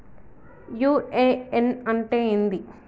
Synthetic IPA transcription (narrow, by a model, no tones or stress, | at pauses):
juːeːenɐɳʈeːind̪i